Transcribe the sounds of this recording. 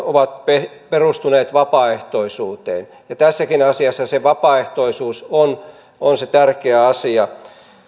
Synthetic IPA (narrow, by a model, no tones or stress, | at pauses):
oʋɑt̪̚pe | perust̪uneːt̪ʋɑpɑeht̪oisuːt̪ḛːn | jɑt̪æsːækinɑsiɑsːɑseʋɑpɑeht̪oisuːson | onset̪ærkeæɑsiɑ